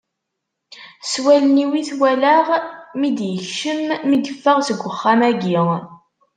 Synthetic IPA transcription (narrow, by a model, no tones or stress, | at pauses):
swæləniwiθwælaʁmid̪jəçʃəmːid̪əfːəʁsəɡʷːəχːamæɡi